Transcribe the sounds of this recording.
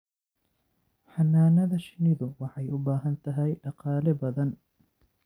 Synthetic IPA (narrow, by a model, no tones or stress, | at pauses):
ħanːaːnɐðɐʃɪniðʊwɑħajʔʊbaːɦɐnt̪ɐɦɐjʔɐqɑːlɛbɐðɐn